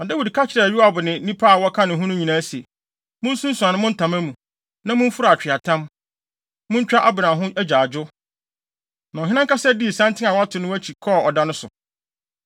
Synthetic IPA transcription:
mã˨dæ˦wi˨dkʰa˦t͡ɕʰɪ˨ɾɛ˨ɥi˦a˦˨bʊ˨nɪ̃˨˦nĩ˦pʰa˦a˨wɔ˦kʰã˦nɪ̃˨ɦʊ̃˦nʊ̃˦ɲĩ˨nãː˦si˨e˨ | mʊ̃˦n̩˦sũ˦n˦su˨a˨nɪ̃˦mʊ̃˦n̩˦tʰã˨mæ̃˦mũ˨ | nã˦mʊ̃˦ɱ̩˦fʊ˦ɾa˨t͡ɕᶣɪ˨a˨tʰã˦m | mʊ̃˦ɲ̩˦t͡ɕᶣa˦ʔa˦bã˨ɦʊ̃˦æ˦d͡ʑaː˨d͡ʑʊ˦ | mmã˨ɦɪ̃˦ã˦ŋkʰa˦sɛ˦di˦˨sã˦ntʰɪ̃˦a˨wa˦tʰʊ˨nʊ̃˦æ˦t͡ɕʰi˨kʰɔ˦˨ɔ˨dã˦nʊ̃˦sʊ̰˨

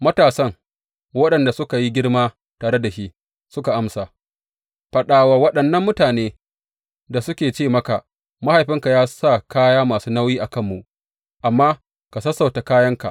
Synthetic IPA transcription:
mɐ˦taː˨sɐ˦ŋ | wɐ˦ɗɐ˨nda˨sʊ˦ka˨ji˦ɡʲɪ˦ɽmaː˦ | taː˨ɽe˦da˨ʃi˦ʔ | sʊ˦ka˨ʔa˦msaː˨ | ɸɐ˨ɗaː˨waː˨wɐ˦ɗɐ˨nːɐ˦mːʊ˦taː˨neː˦ | da˨sʊ˦kʲeː˨t͡ʃeː˦˨mɐ˦ka˨ʔ | ma˦ha˨jɸɪ˦ŋka˨jaː˦sa˦˨kaː˦jaː˦maː˨suː˦na˦wjiː˦ʔa˨kɐ˦˨mːu˨ʔ | ʔa˨mːaː˦ | ka˨sɐ˦sːa˨ta˨kaː˦jɐ˦ŋka̰˨ʔ

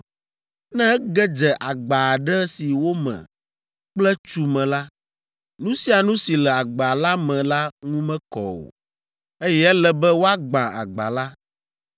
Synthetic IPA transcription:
nɛ̃˦ɡɛ˦d͡ʒɛ˨ʔa˨ɡ͡ba˨ɖɛ˦si˨wo˦mɛ̰̃˨ | k͡plɛ˦t͡ʃu˦mɛ̃˨la˦ | nũ˦si˦a˨nũ˦si˨lɛ˨a˨ɡ͡ba˨la˦mɛ̃˨la˦ŋũ˦mɛ̃˦kɔ̰˨wo̰˨ | e˦jɛ˦ɛ˦lɛ˦bɛ˦wo˦a˦ɡ͡bã˨a̰˨ɡ͡ba̰˨la˦

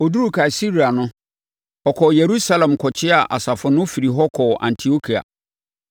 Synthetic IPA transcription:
o˨du˦u˦kʰa˨i˨si˦ɾi˨a˨nʊ̃˦ | ɔ˨kʰɔ˨je˨ɾu˦sa˦lɛ̃˨mkʰɔ˨t͡ɕʰɪ˦a˨ʔa̰˨sa˨fʊ˨nʊ̃˦fi˨ɾi˨ɦɔ˦kʰɔ˨ʔã̰˨n˨tʰi˨o˦kʰi˨a̰˨

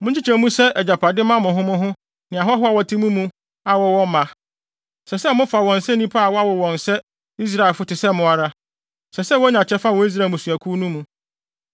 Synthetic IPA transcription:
mʊ̃˦ɲt͡ɕʰi˦t͡ɕʰɛ˨˦mũ˦sɛ˦ʔɛ˨d͡ʑa˨pʰa˨dɪ˦mã˦mʊ̃˨ɦʊ̃˦mʊ̃˦ɦʊ̃˦ | nɪ̃˨a˨ɦɔ˦ɦʊ˦a˨wɔ˨tʰĩ˦mũ˦mũ˦ | a˨wɔ˨wɔ̃˦m˦mã˨ | sɛ˨sɛ˦mʊ̃˦fa˨wɔ̃˨n̩˨sɛ˦nĩ˦pʰa˦a˨wɔ˦a˦wɔ˨wɔ̃˨n˨sɛ˦ | i˦s̬ɾa˦˨lfʊ˦tɪ˨sɛ˦mʊ̃˦a˨ɾa˦ | sɛ˨sɛ˦wɔ˦ɲã˨t͡ɕʰɛ˦fa˦˨ɔ˦i˦s̬ɾa˦˨mʊ̃˨su˨æ˨kʰu˦nũ˦mũ˨

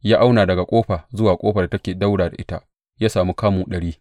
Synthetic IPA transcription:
jaː˦ʔa˦wnaː˨dɐ˨ɡa˨kʷʼoː˦ɸa˨zʊ˦waː˨kʼoː˦ɸa˨da˨tɐ˦kʲeː˨da˦wɽaː˨da˨ʔɪ˦ta̰˦ | jaː˦saː˨mu˦kaː˦muː˨ɗɐ˨ɽiː˦

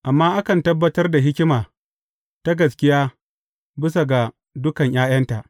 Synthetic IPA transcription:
ʔa˨mːaː˦ʔa˦kɐ˨ntɐ˦bːɐ˦tɐ˦rda˨ɦɪ˦kʲɪ˦maː˨ | ta˦ɡɐ˨s̬kʲɪ˦jaː˦ | bɪ˦s̬a˨ɡa˨ | dʊ˦kɐ˨ɲj̰ʔaː˦j̰ɐ˦nta˨ʔ

